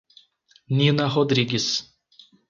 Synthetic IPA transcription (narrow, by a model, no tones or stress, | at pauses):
nʲinaɦɔd̪ɾʲiɡʲis